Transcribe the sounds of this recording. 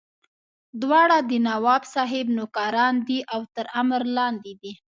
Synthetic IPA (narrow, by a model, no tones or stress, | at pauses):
d̪wɑɽad̪ənawɑbsɑɦɪbnʊkɑɾɑnd̪iʔawt̪əɾamɾlɑnd̪ed̪i